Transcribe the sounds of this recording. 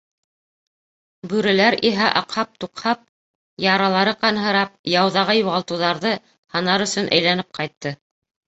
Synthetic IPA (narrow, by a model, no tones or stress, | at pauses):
bʉɾɘ̆læɾiɦæʔɑqhɑp̚t̪uqhɑp̚ | jɑɾɑlˠɑɾɤqɑnɦɤ̆ɾɑp̚jɑwðɑʁɑjuʁɑlˠt̪ɤ̆wðɑɾðɤ | hɑnɑɾɵ̆sɵ̆nʔæ̰jlænɘp̚qɑjt̪ːɤ